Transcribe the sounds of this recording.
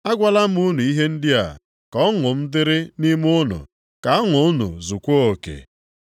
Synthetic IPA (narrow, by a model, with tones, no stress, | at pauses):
a˦ɡʷa˦la˦m̩˦u˦nu˨i˦ɦe˦n̩˦dɪ˦a̰˨ | kɔ˦ŋʊ˨m̩˦dɪ˦ɾɪ˦ni˦m˦ʊ˦nʊ̰˨ | ka˨a˦ŋʊ˨ʊ˦nṵ˨zu˨kʷo˦o˨kḛ˨